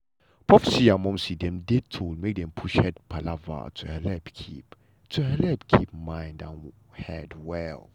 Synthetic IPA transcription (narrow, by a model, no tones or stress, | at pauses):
pɹɔfəsiãmɔ̃msidɛ̃mdetʰolmek̚dɛ̃mpʰuʃhɛd̚pʰalava̰tʰuhɛlɛpkʰip | tʰuhɛlɛp̚kʰip̚mãjndã̰ | hɛdwɛl